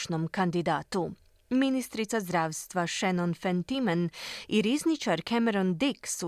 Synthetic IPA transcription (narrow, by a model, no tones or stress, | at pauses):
nomkand̪id̪aːt̪u | minist̪ɾit̪sazd̪ɾaːʋst̪ʋaʃɛnonfent̪imaniɾiznit͡ʃaɾkʰɛmeɾond̪iksu